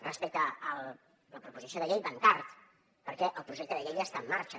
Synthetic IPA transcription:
rəspɛk̚t̪əːlˠ | ləpɾupuzisioðəʎejβənt̪aɾt̪ | pəɾkɛʔəlˠpɾuʒɛk̚t̪əðəʎejəst̪aəmːaɾt͡ʃə

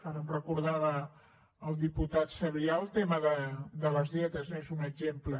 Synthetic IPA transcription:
kaɾəmrəkuɾð̞aβə | əlˠd̪iput̪at̪səβiaəlˠt̪eməðəd̪ələzðɛt̪əzezunəɡʒemplə

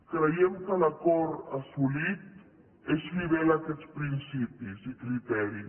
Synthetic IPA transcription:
kɾejemkalakoɾasulit̪̚ | esβiβelakɛt̪spɾinsipisikɾit̪ɛɾi

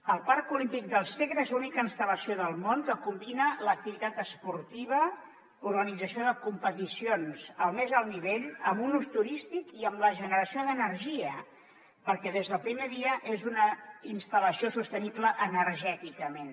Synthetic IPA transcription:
əlˠpaɾkulimpik̚d̪əlˠseɣɾəezunikəinst̪ələsioðəlˠmoŋkəkumbinələk̚t̪iβit̪at̪əspuɾt̪iβ̞ə | uɾɣənidd͡zəsioðəkumpət̪isionsəlˠmezəlˠniβ̞eʎəmunust̪uɾist̪ikiəmləʒənəɾəsioðənəɾʒiə | pəɾkɛðezð̞əlˠpɾimeðiəʔezunəinst̪ələsiosust̪ənipləʔənəɾʒɛt̪ikəmen

